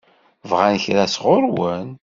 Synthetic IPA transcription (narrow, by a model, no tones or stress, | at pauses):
vʁænçɾæsʁʊɾwən